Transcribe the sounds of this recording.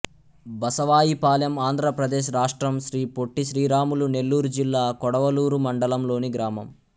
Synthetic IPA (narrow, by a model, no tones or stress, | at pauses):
bɐsɐʋaːjipaːljɐmaːnd̪ʱɾɐpɾɐd̪eːʃɾaːʂʈɾɐmʃɾiːpoʈːiʃɾiːɾaːmulune̞lːuːɾud͡ʒilːaːkɔɽɐʋɐluːɾumɐɳɖɐlɐmlo̞ːniɡɾaːmɐm